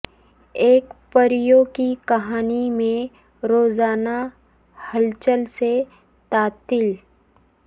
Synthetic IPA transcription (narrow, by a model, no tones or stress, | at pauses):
eːkpəɾjoːkikɐɦaːnimẽ | ɾoːzaːna | həlt͡ʃəlse | t̪aːt̪ɪl